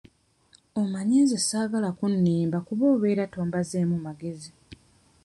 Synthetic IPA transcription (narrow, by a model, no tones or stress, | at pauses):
omaɲeːzesaːɡalakunːiːmbakuβo̞ːβe̞ːɾato̞ːmbazeːmumaɡe̞zi